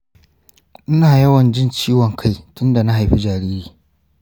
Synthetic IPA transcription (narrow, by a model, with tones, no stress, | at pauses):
ʔɪ˦naː˨jɐ˦wɐ˨nd͡ʒɪ˦nt͡ʃiː˦wɔ˨ŋkʰa˦˨jtʊ˦nda˨na˦ɦa˨jɸi˦d͡ʒaː˨ɾiː˦ɾiː˨